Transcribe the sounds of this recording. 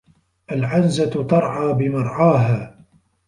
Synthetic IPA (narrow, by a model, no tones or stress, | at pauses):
ʔalʕanzat̪t̪ɑɾˤʕaːbɪmɑɾˤʕɑːɦaː